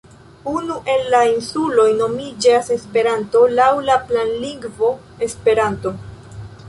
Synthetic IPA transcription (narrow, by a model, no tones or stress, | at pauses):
unuʔe̞nlainsulo̞jno̞mid͡ʒase̞spe̞ɾanto̞lawlaplanliŋɡvo̞ | e̞spe̞ɾanto̞